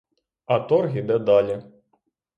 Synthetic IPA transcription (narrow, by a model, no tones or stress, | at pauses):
ɐt̪ɔrɣʲid̪ɛd̪alʲɛ